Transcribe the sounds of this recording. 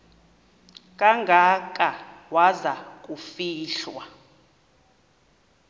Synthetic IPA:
kʼaŋɡʱakʼawazak̬ʼufiːɬwa

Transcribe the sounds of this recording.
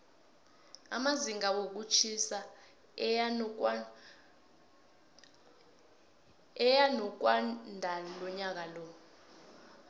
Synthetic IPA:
a̰maziŋawok̬ut͡ʃʰisa | ɛjanɔk̬wandʱalɔɲak̬alɔː

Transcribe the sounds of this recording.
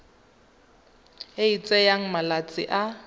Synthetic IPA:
ɪit͡sʼɛjaŋ̩malat͡sʼɪ̰ʔa

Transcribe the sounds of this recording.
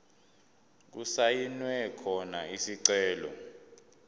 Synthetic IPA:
k̬usajinwɛkʰɔnaisiǀɛːlɔ̰

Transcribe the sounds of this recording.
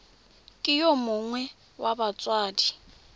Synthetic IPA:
kʼɪjɔmʊŋwɛ | wabat͡sʼwaːdi

